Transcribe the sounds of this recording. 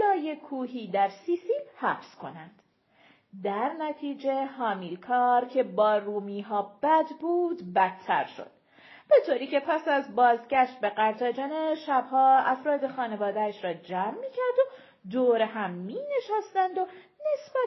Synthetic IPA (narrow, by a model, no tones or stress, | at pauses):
lɒːjekʰuːɦiːd̪æɾsiːsiːlhæfskʰo̞nænd̪̥ | d̪æɾnæt̪ʰiːd͡ʒe̞hɒːmiːlkʰɒːɾcʰe̞bɒːruːmiːɦɒːbæd̪buːd̪bæt̪ʰːæ̰ɾʃo̞̰d̪̥̚ | b̥e̞t̪ʰoːɾiːcʰe̞pʰæsæzbɒːzɟæʃt̪̚be̞ɢæɾt̪ʰɒːd͡ʒɒːneʃæbhɒːæfɾɒːd̪e̞xɒːne̞vɒːd̪æʃɾɒːd͡ʒæːmːiːcʰæɾd̪o̞ | d̪oːɾeɦæmːiːne̞ʃæːst̪ænd̪o̞ | ne̞sbæ